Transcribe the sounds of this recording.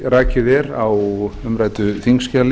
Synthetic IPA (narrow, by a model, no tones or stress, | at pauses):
raːcɪðɛɾawʏmɾaːjt̪ʏθiŋscal